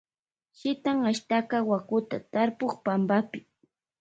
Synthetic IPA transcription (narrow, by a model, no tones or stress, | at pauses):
ʃɪt̪aŋaʃt̪akawakʊt̪a̰t̪aɾpoχpambapɪ